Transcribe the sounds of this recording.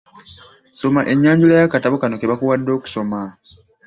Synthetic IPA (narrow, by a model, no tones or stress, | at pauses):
so̞maʔe̞ɲːaːɲɟulajakataβokanokeβakuwadːo̞ːku̥so̞ma